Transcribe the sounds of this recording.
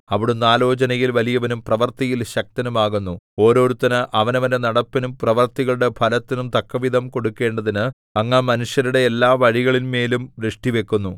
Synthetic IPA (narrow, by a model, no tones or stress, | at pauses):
ɐʋiɽumnːaːlo̞ːt͡ɕɐnɐjilʋɐlijɐʋɐnumprɐʋɐrt̪ɐjilɕɐk̚t̪ɐnumaːɣunːuo̞ːɾo̞ːɾut̪ːɐnɨʔɐʋɐnɐʋɐnenɐɽɐpːɐnumprɐʋɐrt̪iɣɐɭuɽe̞pʰɐlɐt̪ːinumt̪ɐkːɐʋid̪ʱɐmko̞ɽukːe̞ːɳɖɐðinɨ | ɐŋːamɐnuʂjɐnuɽe̞ːlːaːʋɐɻiɣɐɭinme̞ːlumʋɾɨʂʈiʋe̞kːunːu